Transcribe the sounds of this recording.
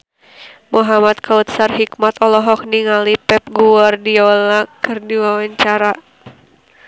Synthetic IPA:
muɦamat̪kaut̪sarɦikmat̪ɔlɔɦɔk̚niŋalipɛp̚ɡuardiɔlakɨrdiwawaɲt͡ʃaɾa

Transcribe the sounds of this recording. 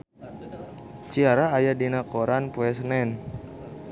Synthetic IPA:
t͡ʃiaɾaːjadinakoɾanpuɛsnɛn

